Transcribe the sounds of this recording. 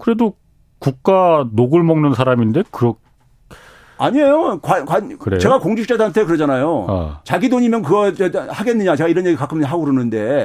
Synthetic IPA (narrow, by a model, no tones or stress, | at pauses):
kɯɾe̞do | kuk̚k͈anoɡɯɭmʌŋnɯnsʰaɾaminde̞kɯɾʌk̚ | aɲiejokwakwakɯɾet͡ɕe̞ɡakoŋd͡ʑik̚t͡ɕ͈adantʰek̬ɯɾʌd͡ʑanajo̰t͡ɕaɡidoɲimjʌnkɯɡʌt͡ɕehaɡenːɯɲat͡ɕe̞ɡaiɾʌnjeɡikakʰɯmjɦaɡoɾonɯnde̞